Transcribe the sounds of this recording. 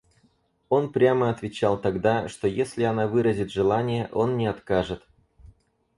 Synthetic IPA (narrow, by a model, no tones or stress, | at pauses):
o̞npɾʲaməɐt̪vʲɪt͡ɕalˠt̪ɐɡd̪aʂt̪o̞jesʲlʲɪɐnavɨɾəzʲɪt̪ʐɨlˠanʲɪjəʔo̞nːʲɪɐt̪kaʐɨt̪